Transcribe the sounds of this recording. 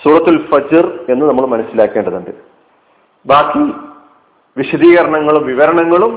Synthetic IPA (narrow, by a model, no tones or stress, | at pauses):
suːɾɐt̪ːulfɐd͡ʑɐre̞nːɨnɐmːɐɭmɐnɐsilaːkːeːɳɖɐðuɳɖɨ | baːkːi | ʋiɕɐd̪iːɣɐɾɐɳɐŋːɐɭumʋiʋɐɾɐɳɐŋːɐɭum